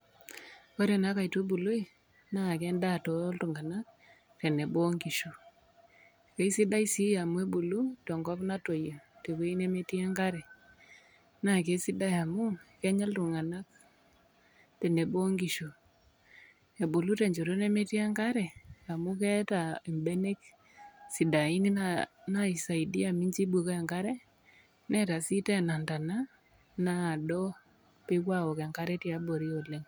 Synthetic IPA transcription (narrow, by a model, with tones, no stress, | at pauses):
kɔ˦ɾɛ˨na˦ka˨i˨to˦bu˨lo˦i˦ | na˦˨kɛ˦nda˦˨to˨˦ltu˨ŋa˨na˦k̚ | te˨ne˨bo˦ŋɡi˨ʃo˨ | ke˦i˦si˦da˦i˦si˦ja˨mwe˦bu˨lu˦tɔ˨ŋɡɔ˦pna˦to˨jo˨te˨ke˦i˦ne˦me˦ti˦a˦ŋɡa˦ɾɛ˨ | na˨ke˦si˦da˦ja˨mu˦kɛ˦ɲa˦ltu˨ŋa˨na˦k̚ | te˨ne˨bo˦ŋɡi˨ʃo˨ | e˨bo˨lu˦te˨ɲd͡ʒo˨ɾo˦ne˦me˦ti˦a˦ŋka˦ɾɛ˨a˨mu˦kɛ˦ta˨i˨mbe˦ne˦k | si˨da˨i˦ni˦nana˦i˨sa˨i˨di˦a˨mi˦ɲt͡ʃi˦bu˨ka˨ŋɡa˦ɾɛ˦ | nɛ˦ta˨si˦tɛ˦˨na˨nda˨na˦ | naː˦˨dɔ˦ | pɪ˦kwa˦wɔ˨ka˨ŋka˦ɾɛ˦ti˦a˦bo˨ɾi˦o˨le˦ŋ